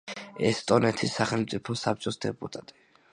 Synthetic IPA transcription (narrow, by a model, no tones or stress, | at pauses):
ɛst̪ʼɔnɛt̪ʰisːaχɛlmt̪sʼipʰɔsap̚t͡ʃʼɔsd̪ɛpʼut̪ʼat̪ʼi̥